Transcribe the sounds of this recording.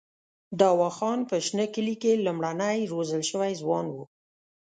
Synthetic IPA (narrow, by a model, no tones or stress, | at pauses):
d̪ɑwɑxɑnpəʃnəkəlikelumɽanəjɾozəlʃəwajzwɑnwu